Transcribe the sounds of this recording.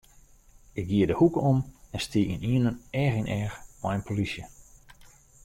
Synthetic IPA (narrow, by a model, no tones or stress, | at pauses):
ɪkɡ̚ɡiədəhukəomɛnstiiniənənɛxinʔɛːxmɔjənpʰolisjə